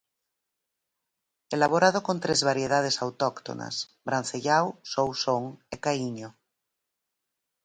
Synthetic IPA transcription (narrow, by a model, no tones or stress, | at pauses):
elaβ̞oɾað̞okõnt̪ɾezβaɾjeð̞að̞esawt̪okt̪o̰na̰s | bɾanθeʎawsowsoŋekaiɲo